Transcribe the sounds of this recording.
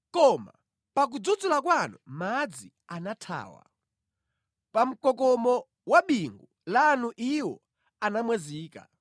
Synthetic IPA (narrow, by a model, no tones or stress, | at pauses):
kɔma̰ | pak̬ud͡zud͡zulak̬wanṵmad͡zi | anatʰa̰ːwa̰ | pam̩kɔkɔmɔ | waɓiŋɡu | lanuʔiwɔ | anamwɛziːka̰